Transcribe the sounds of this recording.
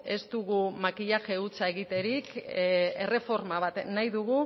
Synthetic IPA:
e̞st̪uɣumakiʎaʝe̞ut͡sae̞ɣit̪e̞ɾike̞re̞fo̞ɾmaβat̪najðuɣu

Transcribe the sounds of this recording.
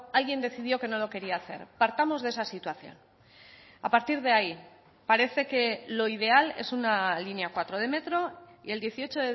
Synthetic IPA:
alɣje̞nd̪e̞θið̞jo̞ke̞no̞lo̞ke̞ɾiaːθe̞̰ɾpaɾt̪amo̞zð̞e̞sasit̪waθjo̞̰n | apaɾt̪iɾð̞e̞ai | paɾe̞θe̞ke̞lo̞ið̞e̞ale̞̰sunalinjakwat̪ɾo̞ðe̞me̞t̪ɾo̞ḭe̞ld̪jeθio̞t͡ʃo̞ðe

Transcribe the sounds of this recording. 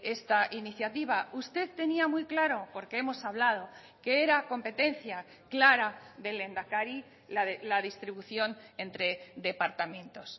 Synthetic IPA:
e̞st̪aʔiniθjat̪iβ̞aust̪e̞ðt̪e̞niamujklaɾo̞po̞ɾke̞e̞mo̞saβlað̞o̞ | ke̞eɾako̞mpe̞t̪e̞nθja | klaɾaðe̞le̞nd̪akaɾi | alaðist̪ɾiβuθjo̞ne̞nt̪ɾe̞d̪e̞paɾt̪amẽ̞nt̪o̞s

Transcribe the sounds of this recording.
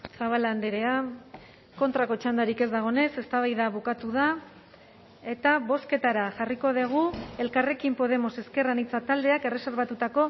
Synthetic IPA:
saβ̞aland̪eɾe̞a | ko̞nt̪ɾako̞t͡ʃand̪aɾike̞zd̪aɣ̞o̞ne̞se̞st̪aβ̞ajðaβukat̪uð̞a | e̞t̪aβo̞ske̞t̪aɾaʝariko̞ðeɣ̞ue̞lkare̞kimpo̞ð̞e̞mo̞se̞ske̞ranit͡sat̪ald̪e̞ake̞re̞se̞ɾβat̪ut̪ako̞

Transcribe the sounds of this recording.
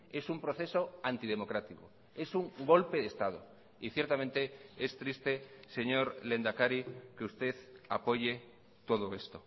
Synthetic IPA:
esumpɾoθesoant̪ið̞emokɾat̪iko | esuŋɡolpeðest̪að̞o̰ | iθjeɾt̪amẽnt̪eest̪ɾist̪eseɲoɾlend̪akaɾikeust̪eθapoʝe | t̪oð̞oest̪o

